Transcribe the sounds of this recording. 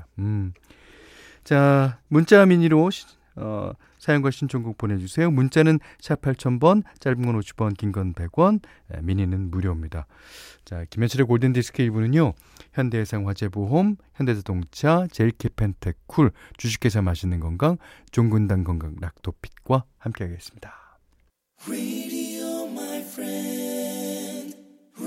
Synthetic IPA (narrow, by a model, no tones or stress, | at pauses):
t͡ɕamunt͡ɕ͈amiɲiɾoɕ | ʌ̰ | sʰajʌŋɡwaɕʰint͡ɕʰoŋɡuk̚pone̞d͡ʑusʰe̞jomunt͡ɕ͈anɯn | ɕʰapʰaɭt͡ɕʰʌnbʌnt͡ɕ͈aɭbɯmŋɡʌnoɕʰi̥bʌnkiŋɡʌnbe̞ɡwʌn | ḛmiɲinɯnmuɾjʌmɲida | t͡ɕakimjʌnt͡ɕʰiɾekoɭdendisʰɯ̥kʰeibunɯɲo | çjʌnde̞sʰaŋɸwad͡ʑe̞boɦomçjʌnde̞sʰadoŋt͡ɕʰat͡ɕe̞iɭkʰepʰentʰe̞kʰuɭt͡ɕuɕʰi̥k͈ʰːe̞sʰʌmaɕʰinɯnɡʌŋɡaŋt͡ɕoŋɡɯndaŋɡʌŋɡaŋɾak̚t͈opʰi̥t̚k͈wahamk͈eɦaɡe̞s͈ɯ̥mɲidḁ | ɹeɾiomaɪfɹɛ | n